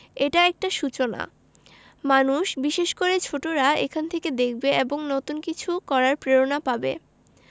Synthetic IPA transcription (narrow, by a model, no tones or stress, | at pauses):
eʈaɛk̚ʈaʃut͡ɕona̰ | manuʃbiʃeʃkoɾet͡ɕʰoʈoɾaekʰanet̪ʰeked̪ek̚ʰbeʔeboŋnɔt̪unkit͡ɕʰukɔɾaɾpɾeɾonapabḛ